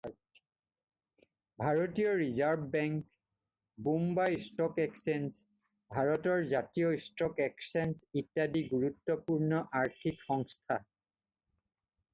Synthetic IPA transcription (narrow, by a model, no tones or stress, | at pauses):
bʱaɹotijɔɹizaɹbʱbɛŋk | bumbajstɔkɛksens | bʱaɹɔtɔɹzatijɔstɔkɛksensitːadiɡuɹutːɔpuɹnɔʔaɹtʰikxɔŋstʰa